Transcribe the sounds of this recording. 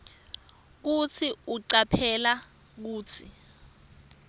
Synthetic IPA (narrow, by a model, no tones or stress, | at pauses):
k̬ut͡sʰiuǀapʰɛla | k̬uːt͡sʰi